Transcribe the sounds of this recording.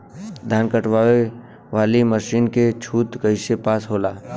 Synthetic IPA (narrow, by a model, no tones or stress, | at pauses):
d̪ʱaːnkəʈʋaːwe | ʋaːliməʃiːnket͡ʃʰuːt̪ɡəɪsepaːsɦoːlaː